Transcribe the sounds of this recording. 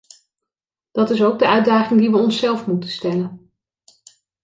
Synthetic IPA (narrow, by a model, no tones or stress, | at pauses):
d̥ɑtɪsowɡ̚dəœɥdaːχɪŋdiʋəɔnsɛlˠfmutənstɛlən